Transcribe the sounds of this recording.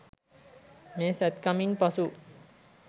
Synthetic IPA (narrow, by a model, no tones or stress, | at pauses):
mesɛt̪kaminpʌsu